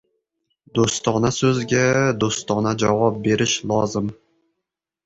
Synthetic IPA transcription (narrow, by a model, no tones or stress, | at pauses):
d̪ost̪ɒnasɵzɡʲad̪ost̪ɒnad͡ʒavɒp̚be̞ɾɪʃlˠɒzɪm